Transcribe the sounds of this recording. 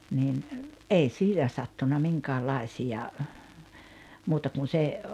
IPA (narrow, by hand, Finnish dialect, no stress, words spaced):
nin ʔei siːnæ sɑtːunɑ miŋkæːlɑisiɑ muːtɑ kun̞ se